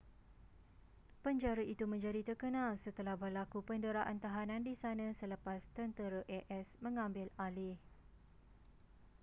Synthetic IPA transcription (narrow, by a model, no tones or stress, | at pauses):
pəɲd͡ʒaɾaʔit̪umə̃ɲd͡ʒadit̪ərkənãlsət̪əlahbərlakupəndəɾaʔant̪aɦanãndisanãsələpast̪ənt̪əɾəʔɛʔɛsmə̃ŋãmbɪlalɪh